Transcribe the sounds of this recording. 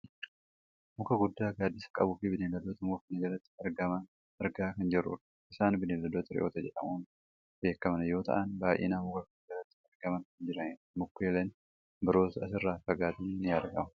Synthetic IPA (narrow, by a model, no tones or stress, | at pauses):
mʊkɐɡʊd̪ːaːɡaːd̪ːɪsɐ̥kʼɐbʊfibɪneːlɐd̪oːt̪ɐŋɡɐkːɪnɐd͡ʒɐlɐt̪ːɪ̥ɐɾɡɐmɐn | ɐɾɡaːkɐnd͡ʒɛrːṵːɾɐ̥ | ʔɪsaːnbɪneːlɐd̪oːt̪ɐɾɪ̰ʔo̞̰ːt̪ɐd͡ʒɛᶑɐ̰muːn | b̥e̞ːkːɐmɐnjo̞ːt̪ɐ̰ʔɐnbaːjʔḛːnaːmʊkɐkɐnɐd͡ʒɐlɐt̪ːɪ̥ɐɾɡɐmɐnkɐnd͡ʒɪɾɐnɪᶑmʊkːeːleːn | bɪɾo̞ːsɐs̬ɪrːaːfɐɡaːt̪ɪnnɪɐɾɡɐ̰mɐ̥